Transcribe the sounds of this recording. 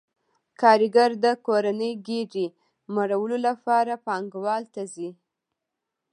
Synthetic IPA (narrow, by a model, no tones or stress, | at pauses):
kʰɑɾɪɡaɾd̪əkoɾanəjɡeɖi | maɾawəlolapɑɾapɑŋɡwɑlt̪azi